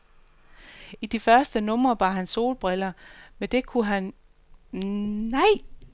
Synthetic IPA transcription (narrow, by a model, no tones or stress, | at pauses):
id̥ifɶɐsd̥ənɔ̽mɐʋɑ̈ɦænso̝̰ːlb̥ʁɛlɐmed̥e̝kʰuɦæn | nɑ̈ɪ̰